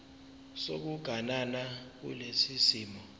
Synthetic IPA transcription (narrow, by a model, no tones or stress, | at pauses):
sok̬uɡ̥ʱananak̬ṵlesisiːmɔ